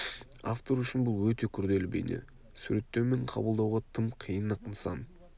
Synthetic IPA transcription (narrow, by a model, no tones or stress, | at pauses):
a̰ft̪o̞ɾʏʃɪnbʊlˠwɵt̪e̞kʲʰʏɾd̪e̞lɪbḛjnḛ | sʉɾe̞t̪ːe̞wmeɴqʰɑ̰bəlˠd̪ɑwʁɑt̪ʰəmqʰijənːɑqnsɑ̰n